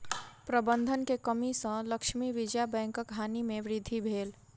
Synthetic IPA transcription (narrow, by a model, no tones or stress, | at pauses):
pɾəbə̃nd̪ʱənkekəmisə̃ləkʃmiʋɪd͡ʒjabɛ̃ːŋkəkɦaːnimẽʋɾɪd̪ʱːibʱeːl